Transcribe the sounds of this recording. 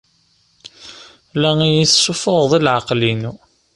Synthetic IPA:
læŋijiθsufoʁðˤilʕaqlinu

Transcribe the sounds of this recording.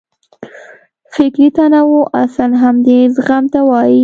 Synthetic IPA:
fɪkɾit̪anawuʔasanɦamd̪ezɣamt̪awɑji

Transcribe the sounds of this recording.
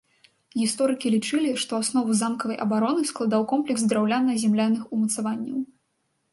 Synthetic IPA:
ɣʲist̪ɔɾɨkʲilʲit͡ʂɨlʲiʂt̪ɔasnɔvuzamkɐvɐjʔɐbaɾɔnɨsklˠad̪awkɔmplʲɛɡzd̪ɾawlʲanːɐzʲɛmlʲanːɨxumɐt̪savanʲːɐw

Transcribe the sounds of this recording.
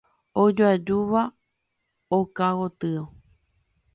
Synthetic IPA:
od͡ʒoad͡ʒuʋa | okawot̪ɨo

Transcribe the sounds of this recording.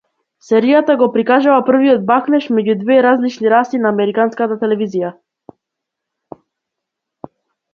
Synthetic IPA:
sɛɾijat̪aɡɔpɾikaʒuvapr̩viɔd̪̚baknɛʃmɛɟud̪vɛɾazlit͡ʃniɾast̪inaːmɛɾikanskat̪at̪ɛlɛvizija

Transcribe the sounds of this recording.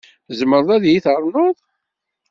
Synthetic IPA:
zməɾˤðˤæðjiθəɾˤnoðˤ

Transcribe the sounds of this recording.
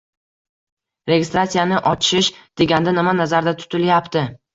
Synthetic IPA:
ɾe̞ɡʲɪst̪ɾat̪sijanɪʔɒt͡ʃɪʃd̪̥e̞ɡʲand̪anɪmanazaɾd̪at̪ʰʊ̥t̪ʰɪljapt̪ʰɪ

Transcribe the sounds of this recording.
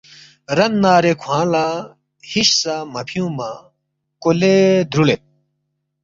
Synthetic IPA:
ɾɐnːaːɾekʰwãːlaː | hiɕsamɐpʰijũːma | koled̪ʱɾulet̪̚

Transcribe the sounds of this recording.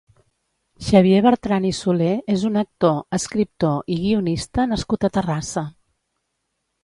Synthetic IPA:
ʃəβ̞jeβəɾt̪ɾanisuleezunək̚t̪oəskɾip̚t̪oʔiɣiunist̪ənəskut̪ət̪ərasə

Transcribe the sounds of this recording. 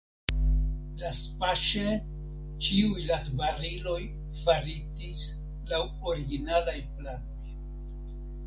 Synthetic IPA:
laspaʃe | t͡ʃiujlatbaɾilo̞j | faɾitis | law | o̞ɾiɡinalajplano̞j

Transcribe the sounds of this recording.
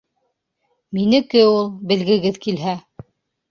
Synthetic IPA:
minɘ̆kɘulˠbɘ̆lɡɘ̆ɡɘðkilɦæ

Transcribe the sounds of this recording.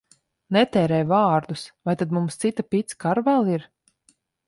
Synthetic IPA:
nɛt̪ɛːɾɛjvaːɾd̪usvajt̪ad̪mumst̪sit̪apit̪skaɾvælˠiɾ

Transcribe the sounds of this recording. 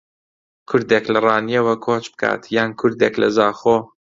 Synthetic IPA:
kʰʊɾd̪eːklɐrɑːnijɛwɐkʰoːt͡ʃbɨ̥kʰa̰ːt̪ʰjaːnkʰʊɾd̪eːklɐ̰zaːxoː

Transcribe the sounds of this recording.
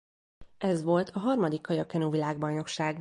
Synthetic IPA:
ɛzʋo̞lt̪ʰɒɦɒrmɒd̪ikːɒjɒkɛnuːvilaːɡ̚bɒjno̞kʃaːɡ

